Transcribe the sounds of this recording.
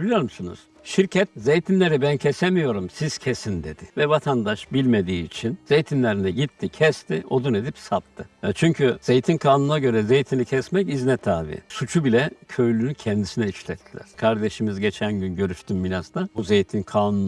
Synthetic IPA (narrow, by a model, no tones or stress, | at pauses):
ilʲijo̞ɾmusunṵz̥ | ʃiɾcʰɛt̪̚zejt̪ʰinlʲeɾibæncʰɛsemijo̞ɾumsiz̥cʰesind̪e̞d̪̥ɪvɛvat̪ʰand̪aʃbilʲme̞d̪iːt͡ʃʰinzejt̪ʰinlʲeɾinɛɟit̪ʰːicʰɛst̪ʰiʔo̞d̪uned̪ipsap̚t̪ʰːɯt͡ʃʰyɲcʰyz̥e̞jt̪ʰinkʰaːnunaɟø̞ɾɛze̞jt̪ʰinicʰɛsmɛciznɛt̪ʰːaːvḭsut͡ʃʰubilʲɛcʰø̞jlʲynycʰɛnd̪isinɛiʃlʲɛt̪ʰːilʲæ̰ɾ̥kʰaɾd̪e̞ʃimizɟe̞t͡ʃʰænɟynɟø̞ɾyʃt̪ʰymminast̪abuzejt̪ʰinkʰaːnun